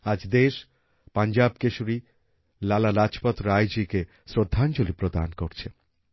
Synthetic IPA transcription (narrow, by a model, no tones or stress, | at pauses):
ad͡ʑd̪eʃ | pand͡ʑabkeʃuɾi | lalalad͡ʑpot̪ɾajd͡ʑike | sɾod̪ʱːant͡ɕolipɾod̪a̰nkoɾt͡ɕʰe